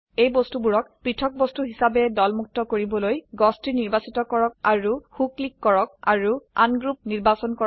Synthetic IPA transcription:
ejbɔstubuɹɔkpɹitʰɔk̚bɔstuɦisabɛdɔlmuk̚tɔkoɹibɔlojɡɔstɹiniɹbasitɔkɔɹɔk̚aɹuxuklikːɔɹɔk̚aɹuanɡɹup̚niɹbasɔnkɔ

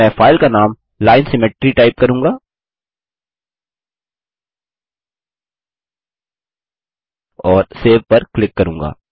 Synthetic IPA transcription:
ɛ̃ːfaːɪlkanaːm | laːɪnsɪmeʈɾiʈaːɪp̚kɐɾũːŋɡaː | ɔːɾseːʋpɐɾklɪkːɐɾũːŋɡa̰ː

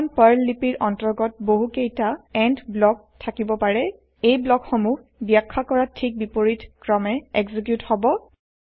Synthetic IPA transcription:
npɔjlːipiɹʔɔntɔɹɡɔt̚boɦukejtaɛntblɔk̚ | tʰakibɔpaɹɛ | ejblɔkxomuh | bjakʰːakɔɹatʰik̚bipoɹitkɹɔmɛɛɡzik̬juthɔbɔ

